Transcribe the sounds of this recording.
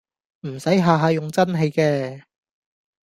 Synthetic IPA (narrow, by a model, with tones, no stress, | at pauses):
m̩˨˩sɐ˨˥jɦaː˨˧ɦaː˧jʊ˨ŋt͡sɐ˥nɦe˧jkɛː˧